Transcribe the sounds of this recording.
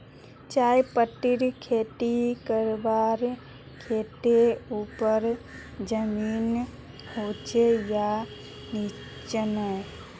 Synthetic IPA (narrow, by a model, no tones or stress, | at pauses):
t͡ʃaːjpəʈːɪɾkʰeːʈikəɾbaːɾ | kʰeːʈ̪euːpəɾd͡ʒəmiːn | hoːt͡ʃeja | ni | t͡ʃənə